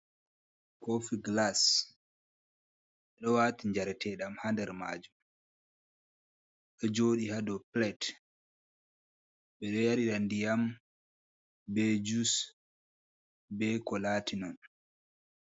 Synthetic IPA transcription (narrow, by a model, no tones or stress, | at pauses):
kofiɡlas | ɓɛɗɔwaːtiɲd͡ʒaɾɛtɛɗamhandɛɾma̰ːd͡ʒum | ɗɔd͡ʒoːɗihadɔplɛt | ɓɛɗɔjaɾiɾandijam | bɛd͡ʒus | bɛkɔlaːtʰinɔn